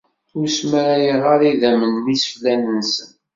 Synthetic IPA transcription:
ʊɾsməɾæjəʁaɾiðæmənːisə̥flænənsən

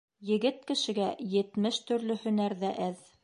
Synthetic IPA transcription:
jɘ̆ɡɘt̪̚kɘ̆ʃɘ̆ɡæjɘ̆t̪mɘʃt̪ɵ̆ɾlɵhɵ̆næɾðæʔæð

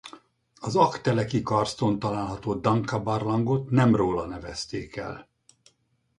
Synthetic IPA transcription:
ɒzɒkt̪ɛlɛkikɒrst̪ont̪ɒlaːlɦɒt̪oːd̪ɒŋkɒbɒrlɒŋɡot̪nɛmroːlɒnɛvɛst̪eːkɛ̰l

